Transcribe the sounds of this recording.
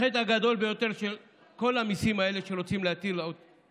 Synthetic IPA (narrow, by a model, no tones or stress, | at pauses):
et̪aɡad̪o̞lbe̞jo̞t̪e̞ʁʃel | ko̞lamisimae̞le̞ʃeʁot͡simleat̪ilo